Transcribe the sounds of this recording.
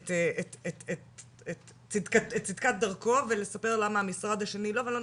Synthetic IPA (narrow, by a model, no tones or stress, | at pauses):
t̪eetetet | et | t͡sid̪katett͡sid̪kat̪̚d̪ɐʁko̞vele̞sape̞ʁlamaːmisʁad̪haʃe̞nilo̞velo